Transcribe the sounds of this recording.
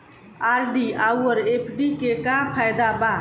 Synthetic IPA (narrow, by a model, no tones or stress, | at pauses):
aːɾɖiawəɾepʰɖikekapʰajd̪abaː